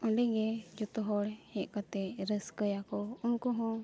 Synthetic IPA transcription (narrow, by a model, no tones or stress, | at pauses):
ɔ̃ɖɛɡɛd͡ʒɔt̪ɔɦɔɽhɛ̃ʔ̪ˀkat̪ɛɾəskəjakɔunkɔɦɔ̃